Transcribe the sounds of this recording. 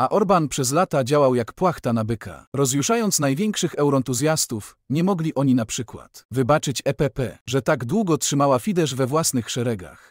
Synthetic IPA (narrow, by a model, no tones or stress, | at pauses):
aʔɔɾbanpʂɛzlat̪ad͡ʑawawjakpwaxt̪anabɘkʰa̰ɾɔzjuʂajɔnt̪snajvʲjɛŋkʂɘxɛwɾɔɛnt̪uzʲjast̪uf | ɲɛmɔɡlʲiʔɔɲinapʂɘkwa̰t̪vɘbat͡ʂɘt͡ɕɛpɛpɛʐɛt̪aɡd̪wuɡɔtʂɘmawafʲid̪ɛʐvɛvwasnɘxʂɛɾɛɡa̰x